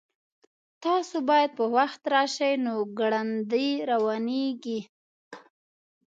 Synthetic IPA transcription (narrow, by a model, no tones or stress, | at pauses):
t̪ɑsobɑjad̪̚pəwaxt̪ɾɑʃajnoɡɽand̪əjɾawɑneɡi